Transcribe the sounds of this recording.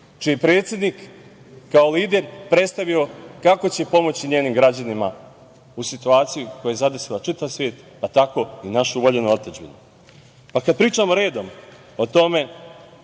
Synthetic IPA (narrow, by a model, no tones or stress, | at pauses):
t͡ʃijepɾe̞ːt̪sje̞d̪nikː | aoliːd̪e̞ɾpɾet̪st̪aʋio̞kako̞t͡ɕe̞po̞mo̞t͡ɕiɲeːnimɡɾad͡ʑanima | usit̪uaːt̪sijuko̞jojezad̪esilat͡ʃit̪aʋsʋʲjeːt̪ | pat̪ako̞inaʃuuʋoʎe̞nuot̪ed͡ʒbḭnu | pakad̪̚pɾiːt͡ʃamo̞ɾe̞ːd̪o̞m | o̞t̪o̞me̞